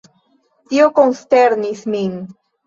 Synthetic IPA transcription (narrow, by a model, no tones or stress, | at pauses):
t̪iokonsteɾnismin